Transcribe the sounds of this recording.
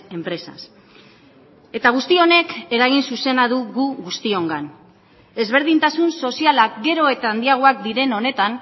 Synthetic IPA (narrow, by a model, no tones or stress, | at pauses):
e̞mpɾe̞sa̰s | e̞t̪aɣ̞ust̪io̞ne̞ke̞ɾaɣ̞insuse̞naðuɣuɣust̪io̞ŋɡan | e̞zβ̞e̞ɾð̞int̪asunso̞sialakɡe̞ɾo̞e̞t̪aːnd̪iaɣ̞oak̚d̪iɾe̞no̞ne̞t̪an